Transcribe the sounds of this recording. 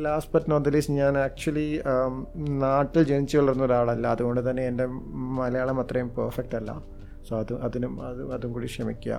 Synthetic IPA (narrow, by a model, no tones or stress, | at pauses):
laːspɐtːnoːnd̪ɐliːsɲaːnaːk̚t͡ɕuɐli | naːʈːild͡ʑenit͡ɕːɨʋɐɭɐɾunːɐoɾuaːɭɐlːɐːðuɣo̞ɳɖɨt̪ɐnːe̞ende̞mɐlɐjaːɭɐmɐt̪rɐjumpɐːrfɐk̚ʈɐlːɐ̰ | soːɐðuʔɐðinumɐðɨɐðumkuːɽikʂɐmikʲːuɐ̰